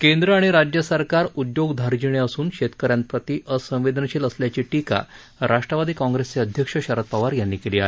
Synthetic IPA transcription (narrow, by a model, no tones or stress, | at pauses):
kend̪ɾəaɽ̃iɾad͡ʑjəsəɾkaɾud̪joɡd̪ʱaɾd͡ʑiɳ̃jəsuːnɕet̪kəɾjãn̚pɾət̪iʔəsə̃w̃ʋed̪ʱənəɕeːləsljat͡ɕiːʈika̰ | ɾaʂʈɾəʋad̪iːkɔ̃ŋɡɾest͡seəd̪ʱjəkʂəɕəɾət̪̚paʋaɾjanːiːkeliːaɦe